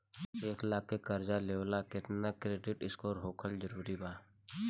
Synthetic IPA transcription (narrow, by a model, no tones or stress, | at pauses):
eːklaːkːekəɾd͡ʒaleːʋlakɪt̪nakɾeːɖɪʈɪskoːɾɦoːkʰəlzəɾuːɾibaː